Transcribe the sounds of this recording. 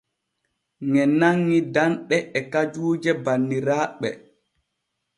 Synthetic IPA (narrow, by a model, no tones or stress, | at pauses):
ŋɛnaŋːidanɗɛɛkad͡ʒuːd͡ʒɛbanːiɾaːɓɛ̰